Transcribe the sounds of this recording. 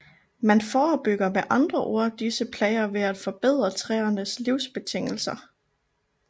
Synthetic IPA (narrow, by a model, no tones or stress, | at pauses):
mænfɒːb̥yɡ̥ɐmeʔɑ̈nd̥ʁɐʔo̝ɐ̰d̥isəpʰlɛːɪɐʋe̝æd̥fɒ̽b̥e̝ð̞̰ˠʁɐt͡sʰʁɛːɐnəsliʊsb̥e̝t͡sʰe̝ŋ̰l̩sɐ